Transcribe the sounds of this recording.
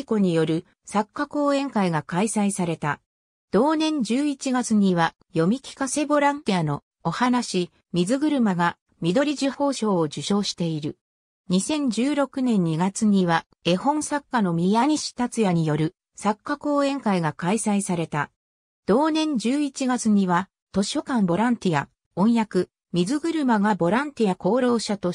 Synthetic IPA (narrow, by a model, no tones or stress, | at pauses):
ko̞ɲ̟ijo̞ɾɯ̟ | sakːako̞ːẽ̞ŋkaiɡakaisaisaɾe̞t̪a | d̪̥o̞ːnẽ̞ɲ̟d͡ʑɨːit͡ɕiɡat͡sɨɲ̟iβa | jo̞mʲikʲi̥kase̞bo̞ɾãnt̪ijano̞ | ohanaɕi | mʲizɨɡɯ̟ɾɯ̟maɡa | mʲid̪o̞ɾʲiʑiho̞ːɕo̞ːod͡ʑɨɕo̞ːɕi̥t̪e̞iɾɯ̟ | ɲ̟isẽ̞ɲ̟d͡ʑɨːɾo̞kɯ̟nẽ̞ɲ̟ːiɡat͡sɨɲ̟iβa | e̞hõ̞ɰ̃sakːano̞mʲijaɲ̟iɕi̥t̪at͡sɨjaɲ̟ijo̞ɾɯ̟ | sakːako̞ːẽ̞ŋkaiɡakaisaisaɾe̞t̪a | d̪̥o̞ːnẽ̞ɲ̟d͡ʑɨːit͡ɕiɡat͡sɨɲ̟iβa | t̪o̞ɕo̞kãmbo̞ɾãnt̪ʲia̰ | õ̞ɰ̃jakɯ̟ | mʲizɨɡɯ̟ɾɯ̟maɡabo̞ɾãnt̪ʲijako̞ːɾo̞ːɕat̪o̞